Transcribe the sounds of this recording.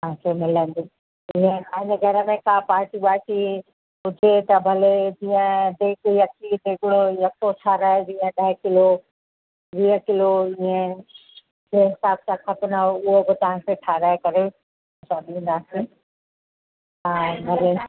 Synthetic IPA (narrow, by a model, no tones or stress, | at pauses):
t̪ɐɦãkʰemɪlənd̪iː | ɪ̃ɦẽaɦɪ̃nəɡʱɐɾəmẽkãːpaːɾʈiɓaːsi | ɦʊd͡ʒʱet̪ɐbʱɐled͡ʑĩːə̃d̪eːkjɐkid̪eːkɽojɐksoʈʰaːɾaɦed͡ʑĩːə̃ɗɐɦkɪlo | ʋiːəkɪloɪ̃ɦẽ | d͡ʑeɦɪsaːb̚sãkʰɐpɪnəʊɦobɪt̪ɐʋ̤ãkʰeʈʰaːɾaɦekɐɾẽ | saːɗĩn̆d̪aːsi | ãbʱɐle